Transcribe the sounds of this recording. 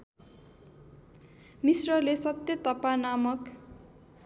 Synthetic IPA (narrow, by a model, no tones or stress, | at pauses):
misrʌlesʌt̪jʌt̪ʌpanamʌk